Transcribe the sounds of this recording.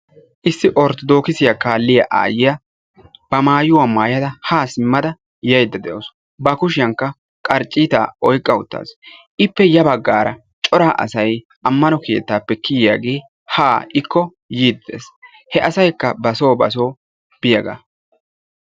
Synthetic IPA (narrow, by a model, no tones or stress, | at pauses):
ʔɪsːɪʔɔɾt̪ɔd̪o̞ːkɪsɪjakaːlːɪjɐʔa̰ːjɪjɐ | b̥ɐmaːjʊwaːmaːjɐd̪ɐhaːsɪmːɐd̪ɐ | jɐjd̪ːɐd̪ɛʔo̰ːs | bɐkʊʃɪjɐŋkːɐ | kʼɐɾt͡ʃʼːiːt̪a̰ːɔjkʼːɐʊt̪ːa̰ːsʔɪpːɛjɐbɐɡːaːɾɐ | t͡ʃʼɔɾaːʔɐ̰sɐj | ɐmːɐnɔke̞̰ːt̪ːaːpːɛkɪjɪjaːɡe̞ː | haːʔɪkːɔ | jiːd̪ːḛːs | hɛʔɐsɐjkːɐbɐso̞ːbɐ̰s̬o̞ː | b̥ɪjɐɡa̰